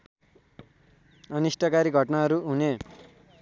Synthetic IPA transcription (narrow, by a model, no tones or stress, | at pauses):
ʌnisʈʌkaɾiɡʱʌʈnaɦʌɾuɦune